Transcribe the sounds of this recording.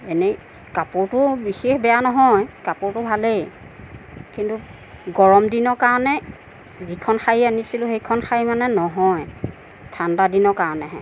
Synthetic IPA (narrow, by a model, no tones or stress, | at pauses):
ene | kapʊɹtʊbixexbɛjanɔɦɔjkapʊɹtʊbʱale | kintu | ɡɔɹɔmdinɔkaɹɔnɛ | zikʰɔnxajianisilʊxejkʰɔnxʰajimanɛnɔɦɔj | tʰandadinɔkaɹɔnɛɦɛ̰